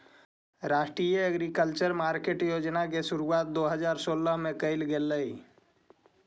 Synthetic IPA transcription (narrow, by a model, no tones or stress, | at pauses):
ɾaːʃʈɾijəəɡɾikəlt͡ʃəɾmaːɾkeːʈjoːd͡ʒnakesʊɾuaːt̪̚d̪oɦəd͡ʒaːɾsoːləɦmẽkəɪlɡelːəi